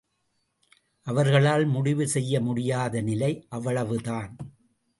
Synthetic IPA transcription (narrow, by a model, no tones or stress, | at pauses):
ʔɐʋɐɾɣɐɭaːlmʊɽɪʋɯsɛjːɐmʊɽɪjaːðɐnɪlɐɪʔɐʋɐɭɐʋɯðaːn